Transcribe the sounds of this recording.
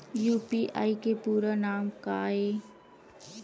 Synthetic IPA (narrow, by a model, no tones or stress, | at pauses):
juːpiʔa̰ːikepuːɾanaːmkaːe